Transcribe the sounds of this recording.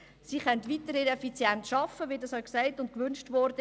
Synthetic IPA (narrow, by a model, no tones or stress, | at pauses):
siːχœntʋitəɾiɾɛfit͡sjɛntʃɑfəʋiːdɑshœjksæɪtʊnt̚kʋʏnʃtʋɔɾd̥ə